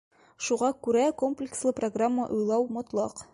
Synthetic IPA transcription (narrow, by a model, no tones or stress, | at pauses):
ʃuʁɑkʉɾækomplʲɪkslˠɤproɡramːə̰ʔujlˠɑwmɒt̪lˠɑq